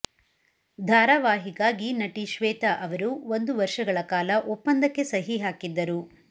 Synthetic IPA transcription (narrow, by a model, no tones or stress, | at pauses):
d̪ʱaːɾɐʋaːɦiɡaːɡinɐʈiʃʋɛːt̪ɐʔɐʋɐɾuond̪uʋɐɾʂʃɐɡɐɭɐkaːlɐʔopːɐnd̪ɐkːe̞sɐɦiɦaːkid̪ːɐɾu